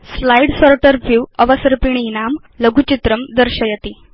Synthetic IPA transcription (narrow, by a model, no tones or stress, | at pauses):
slajɖsɔɾʈəɾfuwəʋəsəɾpiɳ̃inam | ləɡʱut͡ɕit̪ɾəmd̪əɾɕəjət̪i